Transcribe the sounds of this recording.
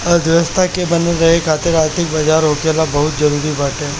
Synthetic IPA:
əd̪ʋəst̪ʰakebəneɾəɦekʰat̪eɾaɾt̪ʰikbəd͡ʒaɾokjalabəɦut̪̚d͡ʒəɾuɾibaʈe

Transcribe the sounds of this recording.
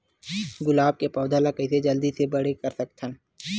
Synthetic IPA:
ɡʊlaːb̚kepɔːd̪ʱalakɐɪsed͡ʒɐld̪isebɐɽekɐɾsɐk̚t̪ʰən

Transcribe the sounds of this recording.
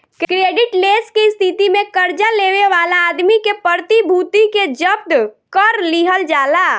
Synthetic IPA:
kkɾeːɖɪʈleːskest̪ʰit̪imẽkəɾd͡ʒaleʋeʋaːlaːd̪mikepəɾt̪ibʱut̪iked͡ʒəb̚d̪kəɾliɦəld͡ʒaːla

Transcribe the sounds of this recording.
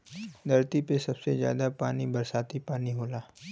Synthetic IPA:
d̪ɐɾt̪ipesɐbsezja̰ːd̪apaːnibɐɾsaːt̪ipaːniɦoːlaː

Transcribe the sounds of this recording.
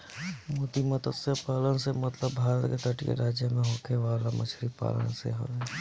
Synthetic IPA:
moːt̪imət̪əsəpaːlənsemət̪ləbːʱaːɾət̪ket̪əʈikḛɾaːd͡ʒjəmẽɦoːkʰeʋaːlamə̰t͡ʃʰɾipa̰ːlə̰nsḛɦo̰ɛ

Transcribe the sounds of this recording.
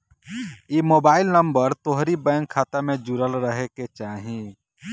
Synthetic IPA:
jiːmoːbaːɪlnəmbəɾt̪oɦɾibɛ̃ŋkʰːaːt̪amẽd͡ʒuɾəlɾəɦeket͡ʃaːɦĩ

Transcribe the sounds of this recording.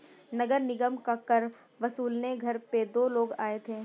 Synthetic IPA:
nɐɡəɾnɪɡəmkakəɾ | ʋɐsuːlneɡʱɐɾped̪oːloːɡaːet̪ʰeː

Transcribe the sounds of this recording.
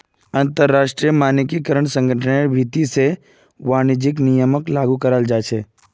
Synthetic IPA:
ɐ̃nt̪əɾːaːʃʈɾijəmaːnɪkikəɾəɳ̃sə̃ŋɡʱəʈʰəneɾbʱit̪ise | ʋaːnɪd͡ʒɪk̬nijəməklaːɡukəɾəld͡ʒaːt͡ʃʰeː

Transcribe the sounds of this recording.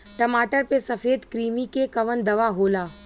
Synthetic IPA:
ʈɐmaːʈəɾpesɐfeːd̪kɾiːmikekɐʋənd̪ɐʋaɦoːlaː

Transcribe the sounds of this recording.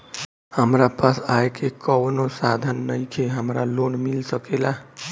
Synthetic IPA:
həmɾapasaekekəwnosad̪ʱənːəjkʰeɦəmɾalonmilsəkela

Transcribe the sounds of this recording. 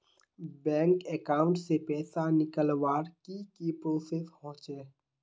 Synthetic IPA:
bɛ̃ːŋkekaːʊ̃ɳʈsepɛːsanɪkəlwaːɾkikipɾoːseːsɦɔ̃ːt͡ʃeː

